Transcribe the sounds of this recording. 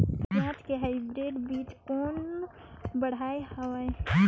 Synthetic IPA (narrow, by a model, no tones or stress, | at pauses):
t̪ãːtkeɦaːɪbɾeːɖbiːt͡ʃkoːn | bɐɽ̤aːehɐwae